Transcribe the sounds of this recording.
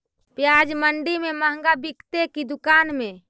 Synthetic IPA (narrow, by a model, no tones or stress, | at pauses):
pjad͡ʒməɳɖimeməɦəŋɡabikt̪ekid̪ʊkanmẽ